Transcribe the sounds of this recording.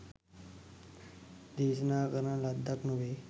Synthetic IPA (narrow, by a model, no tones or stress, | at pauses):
d̪isnakəɾãlad̪ʱaknuʋe